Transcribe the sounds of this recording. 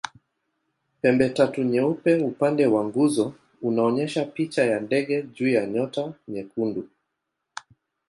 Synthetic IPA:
pɛmbɛtatuɲɛupɛupandɛwaŋɡuzɔ | unaɔɲɛʃapit͡ʃajandɛɠɛʄuːjaɲɔtaɲɛkundu

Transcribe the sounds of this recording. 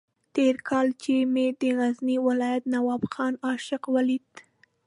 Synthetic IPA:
t̪eɾkʰɑlt͡ʃemed̪əɣazniwɪlɑjat̪nawɑbxɑnɑʃɪqwalit̪

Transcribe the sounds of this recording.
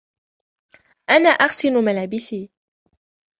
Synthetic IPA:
ʔanaːʔaxsɪlʊmalaːbɪsiː

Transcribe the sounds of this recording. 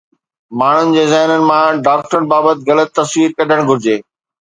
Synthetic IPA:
maːɳ̤ʊnɪ̆d͡ʑeːzaːɪnənɪ̆mãɖaːk̚ʈɾən̆baːbət̪̚ɣɐlət̪ːɐswiːɾkɐɖʱəɽ̃ɡʱʊɾɪd͡ʑeː

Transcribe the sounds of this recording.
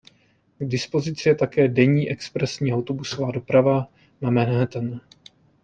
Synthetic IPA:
ɡdɪspo̞zɪt͡sɪjɛt̪akɛːdɛɲiːʔɛkspɾɛsɲiːawt̪obuso̞vaːdo̞pɾava | mamɛnɦɛt̪ɛn

